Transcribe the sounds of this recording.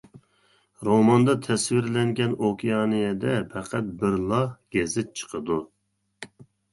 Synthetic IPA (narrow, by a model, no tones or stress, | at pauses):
ɾomɑnd̪ɑt̪ʰɛswɪɾlɛŋɡʲɛnokʲʰijɑːnɨjɛd̪ɛpʰɛqʰæt̪̚bɪɾlˠɑhɡ̥ʲɛzɪt͡ʃʰə̥qʰəd̪u